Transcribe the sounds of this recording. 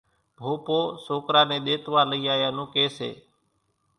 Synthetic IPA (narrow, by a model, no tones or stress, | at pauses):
bʱoːpoːsoːkɾãːnẽːɗ̪eːt̪ʋaːləiːaːjãːnũːkeːsḛː